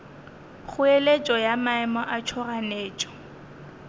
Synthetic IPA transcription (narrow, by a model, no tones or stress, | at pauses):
χʰʊelet͡ʃʼɔjamaɛmɔʔat͡ʃʰɔraneːt͡ʃʼɔ̥